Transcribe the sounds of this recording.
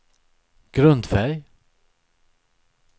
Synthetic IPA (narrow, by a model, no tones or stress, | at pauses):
ɡ̥ɾɵnd̪fɛɾj